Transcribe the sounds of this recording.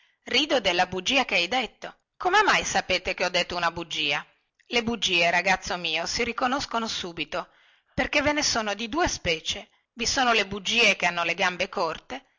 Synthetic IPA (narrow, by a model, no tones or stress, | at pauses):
riːd̪od̪elːabud͡ʒːiːakeajd̪et̪ːo | komemajsapeːt̪ekeɔd̪ːet̪ːounabud͡ʒːiːa | lebud͡ʒːiːeɾaɡat̪sːomiːosiɾikonoskonosuːbit̪o | perkevenesoːnod̪id̪uːespɛːt͡ʃe | visoːnolebud͡ʒːiːek̟eanːoleɡambekort̪e